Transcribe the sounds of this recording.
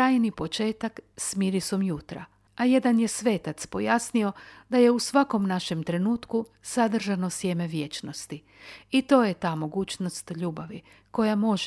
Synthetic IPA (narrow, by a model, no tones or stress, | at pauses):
aːjnipo̞t͡ʃe̞ːt̪aksmiɾisomjut̪ɾa̰ | aje̞d̪anje̞sʋe̞ːt̪at̪spo̞jasnio̞d̪aje̞usʋako̞mnaʃe̞mt̪ɾe̞nuːt̪ku | sad̪r̩ʒano̞sje̞me̞ʋje̞t͡ʃno̞st̪i | it̪o̞ːjet̪aːmo̞ɡuːt͡ʃno̞st̪ʎuːbaʋi | ko̞jamo̞ʒ